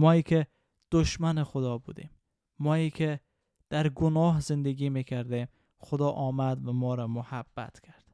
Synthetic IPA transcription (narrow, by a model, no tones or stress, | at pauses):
mɒːiːkʰʲe | d̪̥oʃmænexod̪ɒːbṵd̪ḭmː | ɒːiːkʰe | d̪̥æɾɡonɒːɦzend̪eɡʲiːmekʰæɾd̪em | xod̪ɒːʔɒːmæd̪væmɒːɾɒmohabːæ̰t̪kʲʰæɾd̪̥